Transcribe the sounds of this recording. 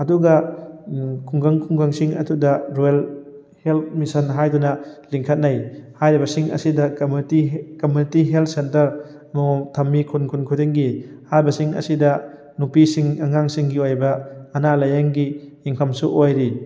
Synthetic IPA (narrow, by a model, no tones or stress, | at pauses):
ɐduɡɐ | kʰuŋɡaŋkʰuŋɡaŋsiŋɐ̰tʰudɐɾojl | helt̚misɐnɦajdunɐliŋkʰɐt̚najhajɾibɐsiŋɐ̰sidɐutikomjunitiɦelt̪̚ʰsentɐɾ | mutʰɐmːikʰunkʰunkʰudiŋɡihajbɐsiŋɐ̰sidɐ | nupisiŋaŋaŋsiŋɡiojbɐːnalajaŋɡiiŋpʰɐmsuʔojɾi